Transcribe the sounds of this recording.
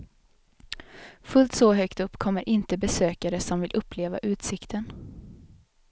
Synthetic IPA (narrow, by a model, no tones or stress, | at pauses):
fɵlt̪sɔɦœkt̪ɵpːkʰɔmːəɾʔɪnt̪əbɛsøːkaɾəsɔmvɪlʔɵpːleːva̰ʔʉ̟ːt̪sɪkt̪ʰən